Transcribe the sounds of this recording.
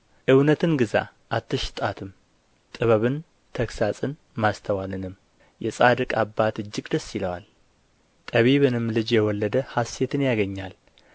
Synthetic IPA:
ʔɨwnət̪ʰɨnɡɨza̰ | ʔat̪ʰːɨʃɪ̥t̪ʼat̪ʰɨm | t̪ʼɨβəβɨn | t̪ʰəksasʼɨn | mast̪ʰəwalɨnɨm | jɛsʼad̪ɨkʼabːat̪ɨd͡ʒːɪɡʼd̪əsːiləwa̰l | t̪ʼəβiβɨnɨmlɨd͡ʒjɛwɔlːəd̪əhasːe̞t̪ʰɨnjaɡəɲːal

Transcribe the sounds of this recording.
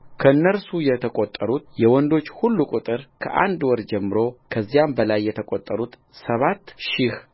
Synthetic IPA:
kʰəɨnːəɾsujɛt̪ʰəkʼot̪ʼːəɾut̪̚jɛwɔnd̪o̞t͡ʃːhulːukʼut̪ʼɨɾkʰə̰ʔa̰nd̪wɔɾd͡ʒɛmːɨɾo̞kʰəzːijambəlajːɛt̪ʰəkʼot̪ʼːəɾut̪ | səβat̪ːʃɪh

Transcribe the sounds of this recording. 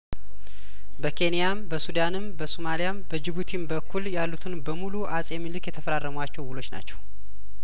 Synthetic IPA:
bəkʰe̞nijambəsud̪anɨmbəsomalijambəd͡ʒɪβut̪ʰimbəkːuljalːut̪ʰɨnbəmuluʔasʼjɛmilɨkjɛt̪ʰəfəɾarːəməwat͡ʃːɛwwulo̞t͡ʃːna̰t͡ʃːɛw

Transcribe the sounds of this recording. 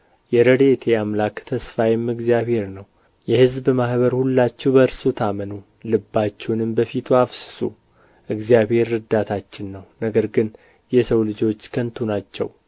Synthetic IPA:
jɛɾəd̪et̪ʰeamlakt̪ʰəsfajɛmːɨɡzijaβhe̞ɾnəw | jɛhɨzbmahbəɾhulːat͡ʃːɛwbəɾsut̪ʰamənu | lɨbːat͡ʃːɛwnɨmbəfit̪ʰuafsɨ̥sṵ | ʔɨɡzjabhe̞ɾːɨd̪at̪ʰat͡ʃːɪnːəwnəɡəɾɡɨn | jɛsəwlɨd͡ʒo̞t͡ʃːkʰənt̪ʰunat͡ʃːɛ̰w

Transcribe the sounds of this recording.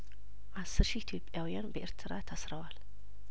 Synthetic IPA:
ʔasːɨɾʃiit̪ʰijopʼːjawijanbəʔeɾt̪ʰɨɾat̪ʰəsɾəwal

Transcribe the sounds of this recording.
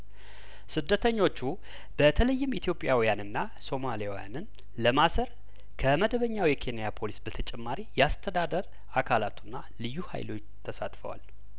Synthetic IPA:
sɨd̪ːət̪ʰəɲːo̞t͡ʃːu | b̥ət̪ʰələjːɪmit̪ʰjo̞pʼjawijanɨnːa | so̞malijawḭja̰nɨn | ləmasəɾ | kʰəməd̪əβəɲːawjɛkʰe̞nijapʰo̞lisbət̪ʰət͡ʃʼɛmːaɾijɛast̪ʰəd̪ad̪əɾ | akʰalat̪ʰunːa | lɨjːuha̰jlo̞t͡ʃː | t̪ʰəsa̰t̪ʼfə̰wa̰l

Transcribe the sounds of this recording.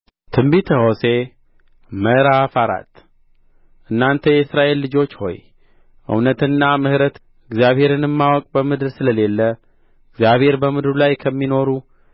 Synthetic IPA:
t̪ʰɨmbit̪ʰəho̞se̞ | məɾafaɾa̰t̪ | ʔɨnːant̪ʰəjɛɨsɾaʔe̞lːɨd͡ʒo̞t͡ʃːho̞̰j | ʔɨ̰wnət̪ɨnːamɨhɾət̪ | ɨɡzjaβhe̞ɾɨnɨmːawɔkʼbəmɨd̪ɨɾsɨləle̞lːə | ɨɡzjaβhe̞ɾbəmɨd̪ɾulajkʰəmːino̞ɾu

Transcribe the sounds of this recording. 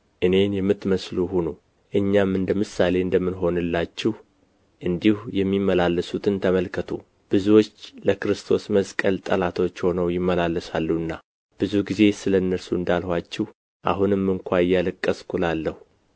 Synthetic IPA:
ʔɨne̞njɛmːɨt̪məsluhunu | ʔɨɲːamɨnd̪əmɨsale̞ɨnd̪əmːɨnɦo̞nɨlːat͡ʃːɪh | ʔɨnd̪ihujɛmːimːəlalːəsut̪ʰɨnt̪ʰəməlkʰət̪ʰu | b̥ɨzuwot͡ʃːləkɨɾɨst̪ʰo̞sməskʼəlt̪ʼəlat̪ʰo̞t͡ʃːho̞nəwjɪmːəlalːəsa̰lːuɨnːa | b̥ɨzuɡize̞sɨlənːəɾsuɨnd̪alhwat͡ʃːɪh | ʔa̰ɦunɨmːɨŋkʷʰaɨjːalɨkʼːəskʰʼulalːəhu

